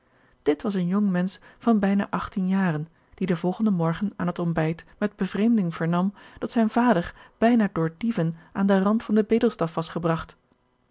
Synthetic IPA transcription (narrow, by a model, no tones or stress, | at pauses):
d̥ɪtʋɑsənjɔŋmɛnsfɑnbɛjna̰ːʔɑχtinjaːrən | d̥idəvɔlˠχəndəmɔɹχənaːnɦətɔmbɛjtmɛd̚bəvrejmdɪŋv̥əɹnɑmd̥ɑtsɛjnv̥aːdəɹb̥ɛjnaːdʊːɹdivənʔaːndərɑntfɑndəbejdəlˠstɑfʋɑsχəbrɑχt